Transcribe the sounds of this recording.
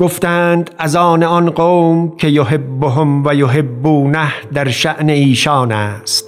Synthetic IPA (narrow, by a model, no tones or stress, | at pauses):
ɡ̥oft̪æːnd̪æzɒːneɒnɢoːmkʰe̞joɦebːoɦomvæjoɦebːuːnæhd̪æɾʃæʔneiːʃɒːnæːst̪